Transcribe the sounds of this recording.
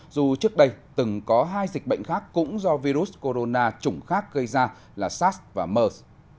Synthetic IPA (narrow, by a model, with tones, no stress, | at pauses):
zu˨˩t͡ɕɨ˦˥ək̚ɗə˧jt̪ɨ˨˩ŋkɔ˨˦ɦaː˧jzi˨˩k̟̚ɓə̰˧˨jŋ̟xaː˦˥kːʊ̰˧˥ŋ͡mzɔ˧vi˧ɾu˦˥sko˧ɾo˧naː˧t͡ɕʊ˧˩ŋ͡mxaː˦˥k̚ɣə˧jzaː˧ | laː˨˩saː˦˥svaː˨˩məː˧s